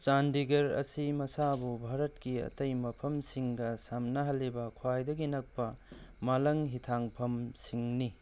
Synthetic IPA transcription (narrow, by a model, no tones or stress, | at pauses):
t͡ʃandiɡɐɾɐ̰simɐsabubʱaɾɐtkiɐ̰tɐjmɐpʰɐmsiŋɡɐsamnɐɦɐlːibɐkʰwajdɐɡinɐk̚pɐ | malɐŋɦitʰaŋpʰɐmsiŋni